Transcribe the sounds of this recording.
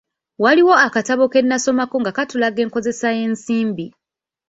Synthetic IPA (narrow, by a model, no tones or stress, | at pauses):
waliwo̞akataβo̞ke̞nːaso̞mako̞ŋɡakatulaɡe̞ːŋko̞ze̞saje̞ːnsiːmbi